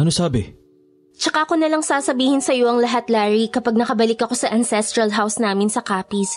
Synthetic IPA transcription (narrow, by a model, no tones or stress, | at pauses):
ɐnosaːbɛ | t͡ʃɐkaʔɐko̞nɐlaŋsaːsɐbiːhɪnsɐjo̞ʔɐŋlɐɦat̪laːɹikɐpaɡ̚nɐkɐbɐlɪkɐko̞sɐʔɐnsɛst̪ɾɐlɦawsnaːmɪnsɐkaːpis